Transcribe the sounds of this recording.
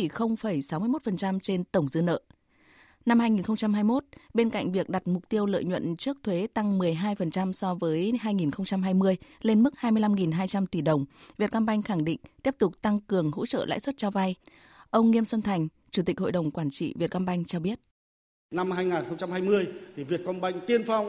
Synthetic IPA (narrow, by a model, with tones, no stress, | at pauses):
i˧˩xə˧wŋ͡mfə˧˩jsa˨˦wmɨ˧əjmo˦˥t̚fə˨˩nt͡ɕa˧mt͡ɕe˧nt̪ə˧˩wŋ͡mzɨ̰˧nə̰ː˧˨ | na˧mhaː˧jŋi˨˩nxə˧ŋ͡mt͡ɕa˧mɦaː˧jmo˦˥t̚ɓe˧nka̰˧˨jŋ̟vi˨˩ək̚ɗa˨˩t̚mʊ˨˩k͡p̚t̪i˧əwlə̰ː˧˨jɲwə̰˧˨nt͡ɕɨ˦˥ək̚t̪ʰwe˨˦t̪a˧ŋmɨ˨˩əjɦaː˧jfə˨˩nt͡ɕa˧msɔ˧vəː˨˦jɦaː˧jŋi˨˩nxə˧wŋ͡mt͡ɕa˧mɦaː˧jmɨ˧əjle˧nmɨ˦˥k̚haː˧jmɨ˧əjla˧mŋi˨˩nɦaː˧jt͡ɕa˧mt̪i˧˩ɗə˨˩wŋ͡mvi˨˩t̚ka˧nɓa˧jŋ̟xa˧˩ŋɗḭ˧˨ŋ̟t̪i˦˥p̚t̪ʊ˨˩k͡p̚t̪a˧ŋkɨ˨˩əŋɦo̰˧˥t͡ɕə̰ː˧˨la̰ː˧˥jswə˦˥t̚t͡ɕaː˧wva˧j | ʔə˧wŋ͡mŋi˧əmswə˧nt̪ʰa˨˩jŋ̟ | t͡ɕu˧˩t̪i˨˩k̟̚ho̰˧˨jɗə˨˩wŋ͡mkwaː˧˩nt͡ɕḭ˧˨vi˨˩t̚ka˧nɓa˧jŋ̟t͡ɕɔ˧ɓi˦˥ət̚ | na˧mhaː˧jŋa˨˩nxə˧wŋ͡mt͡ɕa˧mhaː˧jmɨ˧əjt̪ʰi˨˩vi˨˩ət̚kɔ˧nɓa˧jŋ̟t̪i˧ənfa˧wŋ͡m